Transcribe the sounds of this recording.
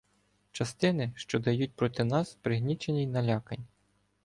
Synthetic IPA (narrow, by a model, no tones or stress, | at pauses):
t͡ʃɐst̪ɪnɪʃt͡ʃɔd̪ɐjut̚ʲpɾɔt̪ɪnɑspɾɪɦnʲit͡ʃenʲijnɐlʲɑkɐnʲ